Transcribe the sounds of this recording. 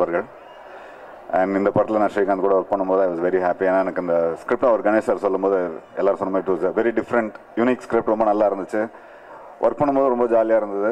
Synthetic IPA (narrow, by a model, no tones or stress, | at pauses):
bɐɾɣɐɭ | ɐ̃ɳɖɪnd̪ɐpɐɾɐt̪ːɪlɐnãːʂɐjkːãːnɐkuːɽɐʋɐɾk̚pɐɳːɯmpoːðɯɐɪʋɐːzʋɛɾiɦaːpienːaːɛnɐkːɯɪnd̪ɐskɾɪp̚ʈɐʋɐɾɡɐnɛsɐɾsɔlːɯmpoːðɯɛlːaːɾɯ̃sɔnːɐmaːd̪ɾiʈuːsɐʋɛɾiɖɪfɾɐɳʈjuniːkskɾɪp̚ʈɾɔmbɐnɐlːaːɪɾɯnd̪ɯt͡ʃːɯ | ʋʔɐ̰ɾk̚pɐɳːɯmpoːðɾɔmbɐd͡ʒaːlɪjaːɪɾɯnd̪ɐðɯ